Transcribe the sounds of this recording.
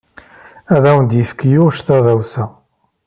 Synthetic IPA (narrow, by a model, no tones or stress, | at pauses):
æðæwənd̪jəfkjʊʃt̪æðæwsæ